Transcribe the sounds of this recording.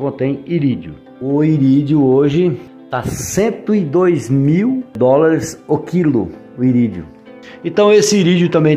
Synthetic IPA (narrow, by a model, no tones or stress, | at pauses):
kõt̪ẽj̃iɾid͡ʒʊ̰ | ʊiɾid͡ʒjʊoʒɪ | t̪asẽnt̪ʊid̪ojzmiwd̪ɔlaɾɪsokilʊ̰ | ʊiɾid͡ʒʊ̰ | ẽt̪ɐ̃w̃esɪiɾid͡ʒjʊt̪ɐ̃mbẽj̃